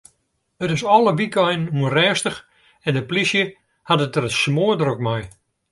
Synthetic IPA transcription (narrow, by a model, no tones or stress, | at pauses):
ətɪsɔlˠəʋikɔjnənuənrɛːstəx | ɛndəplisjə | hadətərəsmoədrokmaj